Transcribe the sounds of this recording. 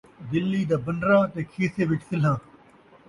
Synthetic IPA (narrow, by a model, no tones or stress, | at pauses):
d̪ɪlːiːd̪aːbənɾãːt̪eːkʰeːseːʋɪʈfɪlɦãː